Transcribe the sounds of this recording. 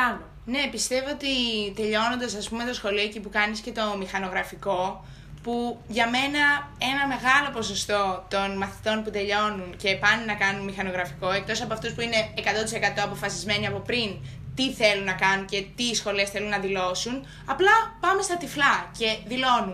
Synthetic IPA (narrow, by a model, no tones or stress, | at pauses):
ɐlo | ne̞pist̪e̞voot̪it̪e̞ʎo̞no̞nd̪ɐsɐspume̞t̪o̞sxo̞lioecipukɐnisce̞t̪o̞mixɐno̞ɣɾɐfiko̞ | puʝɐme̞nɐe̞nɐme̞ɣɐlo̞po̞so̞st̪o̞t̪o̞nmɐθi̥t̪o̞nput̪e̞ʎo̞nunce̞pɐnunːɐkɐnunmixɐno̞ɣɾɐfi̥ko̞e̞kt̪o̞sɐpoɐft̪uspuine̞ːkɐt̪ot̪ise̞kɐt̪o̞ɐpo̞fɐsizme̞niɐpo̞pɾin | t̪iθe̞lunːɐkɐnunce̞t̪isxo̞lie̞sθe̞lunːɐðilo̞sun | ɐplɐpɐme̞st̪ɐt̪iflɐce̞ðilo̞nun